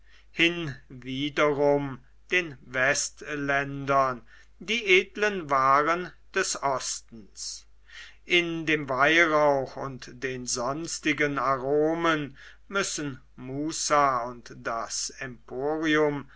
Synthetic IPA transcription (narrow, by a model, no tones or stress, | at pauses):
hɪnviːdəʁʊm | d̥eːnvɛstlɛndɐn | diːʔeːdlənvaːʁən | d̥ɛsɔstn̩s | ʔɪndeːmvaɪʁaʊxʊntd̥eːnzɔnstɪɡənaʁoːmən | mʏsən̩ | muːsaʊntd̥asɛmpʰoːʁiʊm